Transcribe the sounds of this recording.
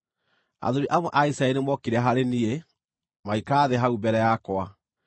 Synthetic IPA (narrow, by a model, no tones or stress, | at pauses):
a̰ðoɾiʔamɔʔaisainemwɔkiɾaɦaɾenie | maikaːðeɦaubɛɾɛjakɔa